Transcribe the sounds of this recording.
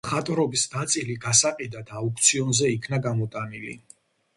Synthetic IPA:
mχat̪ʼɾɔbisnat̪sʼiliɡasaqʼid̪ad̪ʰaukʰt̪sʰiɔnzɛikʰnaɡamɔt̪ʼanilḭ

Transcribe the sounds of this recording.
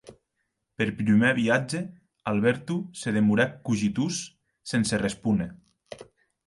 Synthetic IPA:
peɾpɾimeβiad͡ʒe | alˠβɛɾt̪useð̞emuɾakːuʒit̪usː | enserespune

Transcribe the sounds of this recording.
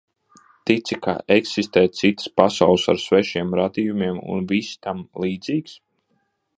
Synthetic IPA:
t̪it̪sika̰ʔeksist̪ɛːt̪sit̪ə̥spasawlˠsa̰ɾsvɛʃiɛmɾad̪iːjumiɛmṵnvist̪amlˠiːd̪ziːks

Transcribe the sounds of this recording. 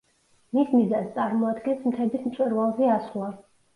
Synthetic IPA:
mismizanst̪sʼaɾmɔad̪ɡɛnsmt̪ʰɛbismt̪sʼwɛɾvalˠzɛaslˠa

